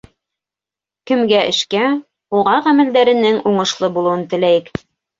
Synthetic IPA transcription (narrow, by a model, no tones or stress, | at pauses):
kɘ̆mɡæʔɘ̰̆ʃkæ | uʁɑʁæmæ̆ld̪æɾɘ̆nɘŋuɴɤ̆ʃlˠɤbulˠuwɤnt̪ɘ̆læjɘk